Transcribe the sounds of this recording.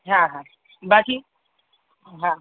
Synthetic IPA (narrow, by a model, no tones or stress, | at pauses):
ɦãɦã | baki | ɦã